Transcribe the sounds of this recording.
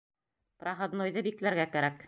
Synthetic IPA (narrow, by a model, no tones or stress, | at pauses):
prɑʁɤd̪nŏjðɤbiklæɾɡækæɾæk